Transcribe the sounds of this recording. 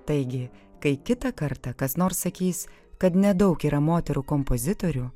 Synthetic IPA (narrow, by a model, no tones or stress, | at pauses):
t̪ɐɪɡʲɪkɐɪkʲɪt̪ɐkɐɾt̪ɐkɐsnoːɾsːɐkʲiːs | kɐt̪nʲɛd̪ɐʊkiːɾʔɐmoːt̪ʲɛɾuːkɔmpozʲɪt̪oɾʲuː